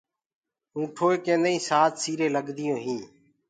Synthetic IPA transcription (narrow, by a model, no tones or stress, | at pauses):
ũːʈʰoːekẽːnd̪eĩːsaːt̪siːɾeːləɠd̪ɪjõːɦĩː